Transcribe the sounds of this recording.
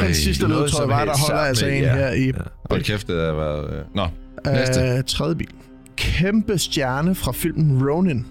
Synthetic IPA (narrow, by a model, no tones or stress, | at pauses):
hænsːisd̥əleðˠt͡sʰɒɒɪʋɑɾ̥ɑ̈ɦɒ̽l̰ɐælsɐe̝̰ːneɐ̰ikʰefd̥əʋæɐðˠnɒ | t͡sʰʁɛð̞ˠjəbḭːl | kʰemb̥əsd̥jæɐnəfʁɑ̈fil̰mn̩ʁoʊnen